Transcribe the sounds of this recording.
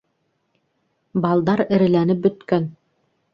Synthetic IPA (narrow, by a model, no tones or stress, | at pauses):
bɑlˠd̪ɑɾɘ̆ɾɘ̆lænɘp̚bɵ̆t̪kœn